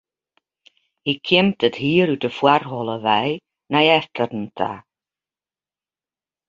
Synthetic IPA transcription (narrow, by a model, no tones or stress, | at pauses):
hikʰɪm̚təthiːɾutəfwarɦɔlˠəvɛj | najɛftʰərn̩tʰa̰